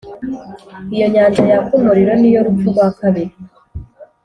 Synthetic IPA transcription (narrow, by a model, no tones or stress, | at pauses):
ijo̞ɲaːɲd͡ʒajakumuɾiɾonijo̞ɾufuβwaːkaβe